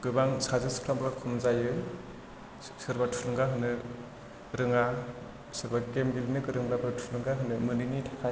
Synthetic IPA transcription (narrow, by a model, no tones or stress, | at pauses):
ɡ̥ɯbaŋsazɯskʰlamblakʰɔmzajɯ | sɯɾbatʰuɾɯŋɡaɦɯnɯ | ɾɯŋa | sɯɾbaɡemɡilnɯkɯɾɯŋlabɯtʰɾɯŋɡaɦɯnɯmɯninitʰḁkʰaj